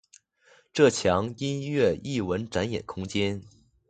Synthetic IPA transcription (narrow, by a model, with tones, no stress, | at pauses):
ʈ͡ʂɤ˥˩t͡ɕʰjɑ˧˥ŋi˥njɥɛ˥˩i˥˩wə˧˥nʈ͡ʂa˧˥njɛ̰˨˩nkʰʊ˥ŋt͡ɕjɛ˥n